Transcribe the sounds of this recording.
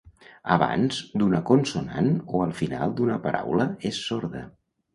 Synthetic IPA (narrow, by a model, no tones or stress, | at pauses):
əβa̰nzd̪unəkonsunanoəlˠfina̰lˠd̪unəpəɾʔawləesːoɾðə̰